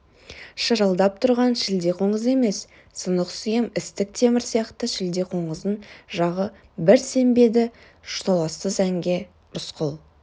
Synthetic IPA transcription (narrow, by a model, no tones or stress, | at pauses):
ʃəɾəlˠd̪ɑp̚t̪ʰʊɾʁɑnʃɪld̪e̞qʰo̞ɴəze̞me̞sː | ənəqsʏjɪmɪst̪ɪk̚t̪ʰe̞mɪɾsijɑqt̪əʃɪld̪e̞qʰo̞ɴəzənʒɑʁə | bɪɾse̞mbe̞d̪ɪ | ʒʊ̥t̪ɑlˠɑsəzæŋɡʲe̞ | ɾʊsqʰʊlˠ